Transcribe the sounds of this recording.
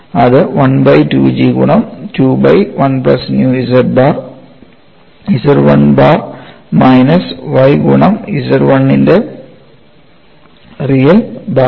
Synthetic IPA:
ɐðɨʋɐnbɐjtṵːd͡ʒiːɡṵɳɐmtuːbɐjʋɐnplɐsnjuːisɐɾbaːr | isɐɾʋɐnbaːr | mɐjnɐsʋɐjɡuɳɐmisɐɾʋɐnːinde | rijɐbaː

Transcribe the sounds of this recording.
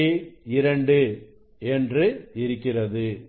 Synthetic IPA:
ɪɾɐɳɖɯ | ɛndrɯɪɾɯkːɪrɐðɯ

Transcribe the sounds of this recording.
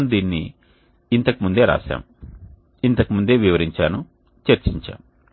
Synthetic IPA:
nd̪iːnːi | int̪ɐkimund̪e̞ːɾa̰ːʃa̰ːm | int̪ɐkimund̪e̞ːʋiʋɐɾiɲt͡ʃaːnu | t͡ʃeɾt͡ʃiɲt͡ʃa̰ːm

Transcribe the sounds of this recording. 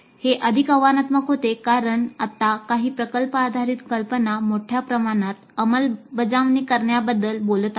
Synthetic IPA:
heʔəd̪ʱikəʋanat̪məkɦot̪ekaɾəɳat̪akaɦiːpɾəkəlpəad̪ʱaɾit̪kəlpənamoʈʰjapɾəmaɽ̃at̪əməlbəd͡zaʋnikəɾɳjabəd̪ːəlbolət̪a

